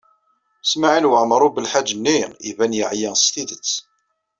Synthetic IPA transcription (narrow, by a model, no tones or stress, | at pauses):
smaʕinwəʕmɾˤubəlħad͡ʒːənːiḭvænjəʕjæst̪iðət͡sː